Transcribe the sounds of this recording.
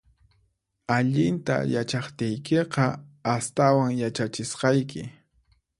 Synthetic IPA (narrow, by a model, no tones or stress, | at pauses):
aʎɪnt̪a̰jat͡ʃɑχt̪ɪjkeqɑast̪awaŋjat͡ʃat͡ʃɪsqɑjkɪ